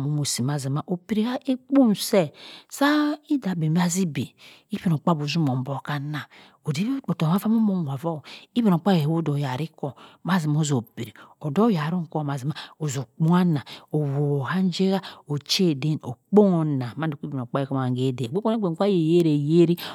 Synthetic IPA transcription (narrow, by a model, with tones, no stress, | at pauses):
mo˨˦mo˨si˨m˨a˨zi˨ma˨ʔo˨pi˨ɾi˨ka˦ʔe˦k͡po˦n˨se˦sa˦i˦da˨be˨m˦a˦zi˦bḛ˨i˦be˨no˨k͡pa˦bo˨zu˦mo˨m˨bo˦˨ka˦na˨ | o˨di˦o˨to˨ma˦fa˦mo˦mo˦m˨a˨vo˦˨i˦be˨no˨k͡pa˦je˨˦o˦do˨ja˨ɾi˦ko˨ma˦zi˨m˨o˦zo˨pi˨ɾi˨o˨do˦ja˨ɾu˦ŋ̩˨ko˦˨m˨a˨zi˨ma˦o˨zo˨k͡po˦a˦na˨o˨wo˨ha˦n˦d͡ʒe˦ɣa˦o˨t͡ʃe˦˨de˦no̰˨k͡po˦ŋo˨na˨ma˦n˦u˨˦i˦be˨no˨k͡pa˦e˨ko˦m˨a˨ŋ˨ɡe˦˨de˨e˦k͡po˦e˦ɡ͡be˨kʷa˦je˨je˦ɾe˨je˦ɾi˦